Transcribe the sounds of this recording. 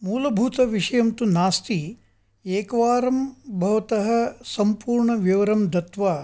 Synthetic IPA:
muːlɐbʱuːt̪ɐʋiʂɐjɐmt̪unaːst̪i | eːkɐʋaːɾɐmbʱɐʋɐt̪ɐɦɐ̆sɐmpuːɾɳɐʋjɐʋɐɾɐmd̪ɐt̪ʋaː

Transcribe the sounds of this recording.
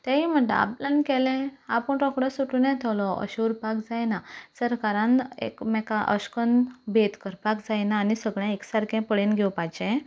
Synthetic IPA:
t̪ẽɦim̤əʈ̪ːa̰a̰planikɛlɛ̃apəɳɾɔkɽəsuʈunɛ̃t̪ʰɛwlɔə̰ɕuɾpakd͡zajnasəɾkaɾãnḛkmɛkaʔə̰ɕkənbʱet̪kəɾpakd͡zajnaːnisəɡɭjãeksaɾkɛ̃pəɭenɡʱɛwpajt͡ɕɛ̃

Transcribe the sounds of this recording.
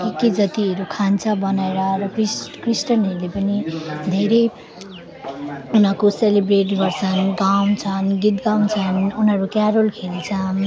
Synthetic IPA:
kiked͡zʌt̪iʌɾukʰant͡sʰʌbʌnaeɾʌrʌkiskrisʈʌnɦʌɾulepʌnid̪ʱeɾʌj | unʌkoselebreʈɡʌrt͡sʰʌnɡaw̃t͡sʰʌnɡit̪̚ɡaw̃nt͡sʰʌnunɦʌɾukjaɾolkʰelt͡sʰʌn

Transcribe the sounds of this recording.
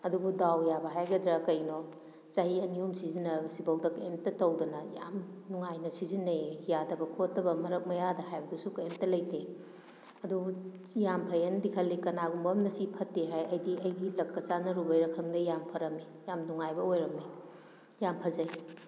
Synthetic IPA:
ɐdubudawjabɐɦajɡɐdɾɐkɐjno | t͡ʃahiɐniumsizinɐsibɐwdɐkɐemtɐtɐwdɐnɐja̰mnuŋajnɐsizinɐjadɐbɐkʰotːɐbɐmɐɾɐk̚mɐjadɐhajbɐdusukɐemtɐlɐjtʰe | ɐdujampʰɐjɐndikʰɐlːikɐnaɡumbɐmnɐsipʰɐtːeɦajɐjdiʔɐjdilɐkːɐsanɐɾubɐjɾɐkʰɐŋdɐjampʰɐɾɐme | jamnuŋajbɐojɾɐme | jampʰɐzɐj

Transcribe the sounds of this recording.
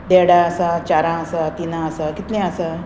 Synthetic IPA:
ɖeɽãəsat͡ɕaɾãəsat̪inãəsakit̪lẽəsa

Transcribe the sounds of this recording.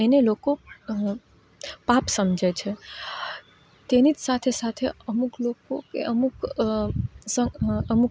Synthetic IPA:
eneloko | papsəmd͡ʒʱɛt͡ʃʰɛ | t̪enit̪sat̪ʰesat̪ʰeəmukloko̰kḛʔəmuk | səəmuk

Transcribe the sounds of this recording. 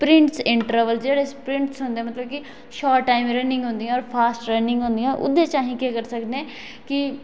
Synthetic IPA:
pɾɪ̃ɳʈsɪɳʈəɾʋəlsd͡ʒeːɽeːspɾɪ̃ɳʈsɦʊ̃nd̪eɛːmət̪ləb̚kɪ | ʃɔːʈːaːimɾeːnɪ̃ŋɡɦʊ̃nd̪ijãːɔːɾpʰaːsʈɾeːnɪ̃ŋɡɦʊ̃ːnd̪ijãːʔʊ̰d̪eːt͡ʃãːɦĩːkeːkəɾsəkd̪ɛː | kɪ

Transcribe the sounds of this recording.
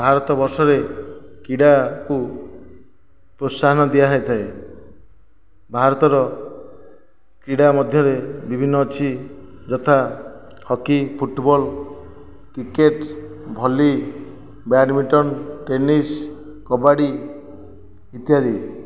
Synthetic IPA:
bʱaɾɔt̪ɔbɔɾsɔɾekiɽaku | pɾosːaɦɔnɔd̪ijaɦɔet̪ʰae | bʱaɾɔt̪ɔɾɔ | kiɽamɔd̪ʱjɔɾebibʱinːɔːt͡ʃʰi | d͡ʒɔt̪ʰa | hɔkipʰuʈbɔl | kɾikeʈ | bʱɔli | baɖmiʈɔnʈenis | kɔbaɽi | it̪jad͡ʒi

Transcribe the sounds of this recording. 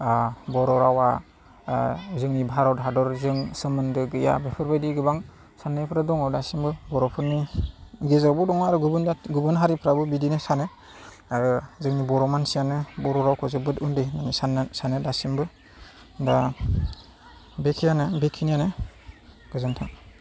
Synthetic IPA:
bɔɾɔɾawa | zɯŋnibʱaɾɔdɦadɔɾzɯŋsɯmɯndɯɡɯja̰bepʰɯɾbajdiɡɯbaŋ | sanːɯjpʰɾadɔŋɔdasimbɯbɔɾɔpʰɯɾniɡezabɔdɔŋaɾɯɡubɯndaɡubɯnɦaɾipʰɾabɯbidinɯsanɯ | ɾɯzɯŋnibɔɾɔmansijanɯbɔɾɔɾawkʰɔzɯbɯtundenanisanɯsanɯdasimbɯ | da | bekʰijanɯbekʰinijanɯ | ɡ̥ɯzantʰaŋ

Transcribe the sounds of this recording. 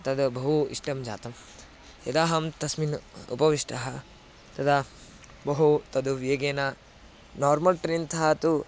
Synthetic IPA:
t̪ɐd̪bɐɦuḭʂʈɐmd͡ʒa̰ːt̪ɐm | jɐd̪aːɦɐmt̪ɐsminṵpɐʋiʂʈʰɐɦɐ | t̪ɐd̪a | bɐɦut̪ɐd̪uʋjeːɡeːna | naːɾmɐlʈɾint̪ʰaːt̪u

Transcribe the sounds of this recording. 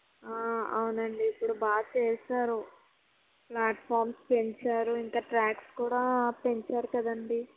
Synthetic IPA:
aːɐwunɐɳɖiːpːuɽubaːt͡ʃɛːsaːɾu | plaːʈpʰaːɾmspe̞ɲt͡ʃaːɾuiŋkaːʈɾaːkskuːɽaːpeɲt͡ʃaːɾukɐd̪ɐɳɖi

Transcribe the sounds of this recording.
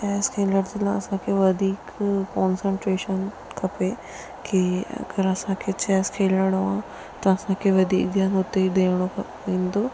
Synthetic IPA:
t͡ʃɛːskʰẽːləɾzɪlãɐsãkʰeʋɐd̪ʱiːkkɔ̃ːnsə̃ɳʈɾeːʃən | kʰɐpe | kiɐ̰ɡɐɾɐsãkʰet͡ɕɛːskʰeːləɽ̃oãː | t̪ɐɐsãkʰeʋɐd̪ʱiːk̚d̪jaːnʊt̪ed̪eːɽ̃okʰ | ẽːnd̪oː

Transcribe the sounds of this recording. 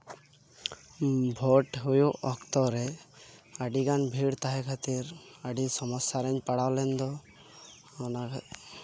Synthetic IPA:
bʱɔʈɦujuʔɔkt̪ɔɾɛ | aɖiɡanbʱiɽt̪aɦɛkʰat̪iɾaɖisɔmɔsːaɾɛɲpaɽawlɛnd̪ɔ | ɔnak

